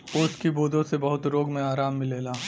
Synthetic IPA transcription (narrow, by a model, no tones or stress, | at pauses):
ʊːskiboːd̪ʱõsebɐɦʊt̪ɾoːɡmẽaːɾaːmːɪleːlaː